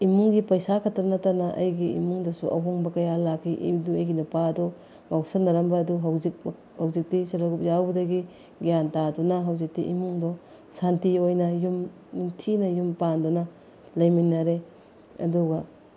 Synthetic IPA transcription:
imuŋɡipɐjsakʰɐtɐɾnɐtaɾnɐʔɐ̰jɡiḭmuŋdɐsuʔɐ̰wɦoŋbɐkɐjalakʰːiʔḭduɐjɡinupaɐdɔ | mawsɐnɐɾɐmbɐːduɦɐwzik̚ | hɐwzik̚tisɐɾlɐɡup̚zawbɐdɐɡi | ɡijantadunɐɦɐwzik̚tḭʔimuŋdɔ | santiojnɐjum | nintʰinɐjumpandunɐ | lɐjminːɐɾe | ɐ̰duɡɐ

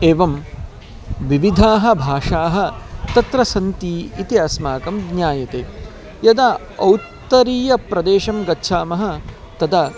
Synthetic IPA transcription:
eːʋɐm | ʋiʋid̪ʱaːɦɐ̆bʱaːʂaːɦɐ̆t̪ɐt̪ɾɐsɐnt̪iːit̪iɐsmaːkɐmɡnjaːjɐt̪eː | jɐd̪a | ɐwt̪ːɐɾiːjɐpɾɐd̪eːʃɐmɡɐtːʃʰaːmɐɦɐ̆ | t̪ɐd̪ɐ

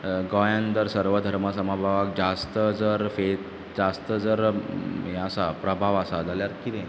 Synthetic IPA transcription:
ɡɔjãnt̪əɾsəɾʋəd̪ʱəɾməsəmabʱaʋək̚d͡zast̪əd͡zəɾfet̪ | d͡zast̪əd͡zəɾ | easapɾəbʱaʋəsad͡zʱaljaɾkit̪ɛ̃

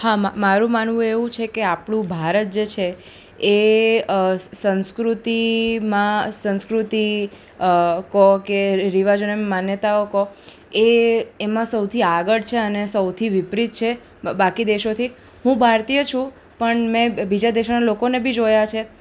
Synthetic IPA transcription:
hamamaɾũmanʋũeʋũt͡ʃʰekeapɳũbʱaɾət̪̚d͡ʒet͡ʃʰeː | sə̃nskɾut̪imãsə̃nskɾut̪i | kɔkeɾiʋad͡ʒonemmanjət̪aoko | eemãsəwt̪ʰiaɡəɽt͡ʃʰeənesəwt̪ʰiʋipɾit̪̚t͡ʃʰe | bakid̪eʃot̪ʰi | ɦũbʱaɾt̪ijət͡ʃʰũ | pəɳmɛ̃bid͡ʒad̪eʃonalokonebʱid͡ʒojat͡ʃʰe

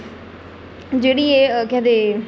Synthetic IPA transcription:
d͡ʒeːɽiːekãd̪e

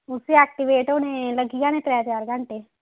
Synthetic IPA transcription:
ʊseaːk̚ʈiʋeːʈoneləɡiɡanẽt̪ɾɛad͡ʒaːɾɡʱãɳʈe

